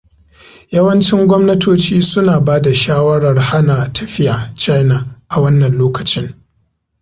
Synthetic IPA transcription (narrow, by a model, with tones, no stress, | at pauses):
jɐ˦wɐ˦nt͡ʃɪ˦ŋɡʷɔ˦mnɐ˦tʰoː˦t͡ʃiː˦sʊ˦naː˨baː˦da˨ʃaː˦wɐ˦ɽɐ˨rha˦naː˨tʰɐ˨ɸɪ˦jʔaː˨t͡ʃa˦jnaː˨ʔa˨wɐ˦nːɐ˨nloː˦kɐ̥˨t͡ʃɪ˦ŋ